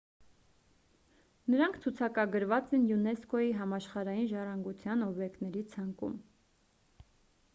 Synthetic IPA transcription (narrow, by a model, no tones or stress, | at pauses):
nəɾɑŋkʰt͡sʰut͡sʰɑkɑɡəɾvɑt͡sɛnjunɛskɔjiɦɑmɑʃχɑɾɑjinʒɑrɑŋɡut͡sʰjɑnɔbjɛkt̪nɛɾit͡sʰɑŋkṵm